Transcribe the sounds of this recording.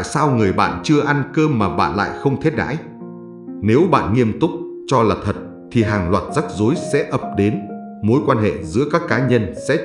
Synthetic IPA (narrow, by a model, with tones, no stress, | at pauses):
a̰˧˨jsaː˧wŋɨ˨˩əjɓa̰ː˧˨nt͡ɕɨ˧əʔa˧nkəː˧mːaː˨˩ɓa̰ː˧˨nla̰ː˧˨jxə˧wŋ͡mt̪ʰe˦˥t̚ɗa̰ː˧˥j | ne˨˦wɓa̰ː˧˨nŋi˧əmt̪ʊ˦˥k͡p̚ | t͡ɕɔ˧laː˨˩t̪ʰə˨˩t̚ | t̪ʰi˨˩ɦaː˨˩ŋlwaː˨˩t̚za˦˥k̚zo˨˦jsɛ̰˧˥ʔə˨˩p̚ɗe˨˦n | mo˨˦jkwaː˧nɦḛ˧˨zɨ̰˧˥əkaː˦˥kːaː˨˦ɲə˧nsɛ̰˧˥